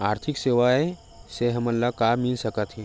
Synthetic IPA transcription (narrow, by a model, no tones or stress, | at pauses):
aːɾt̪ʰɪkseːʋae | seɦɐməlːakaːmːɪlsəkət̪ɦɛ̃ː